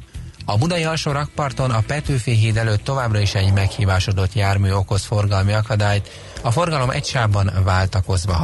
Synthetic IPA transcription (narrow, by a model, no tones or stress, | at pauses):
ɒbud̪ɒiɒlʃoɾɒk̚pɒrt̪o̞nɒpɛt̪øːfeːɦeːd̪ɛløːt̪ːo̞vaːbrɒiʃɛɟmɛkhiːvaːʃo̞d̪o̞t̪jaːrmyːo̞ko̞sfo̞rɡɒlmiɒkɒd̪aːjt̪ | ɒfo̞rɡɒlo̞mʔɛ̰cʃaːbːɒnvaːlt̪ɒko̞zʋɒ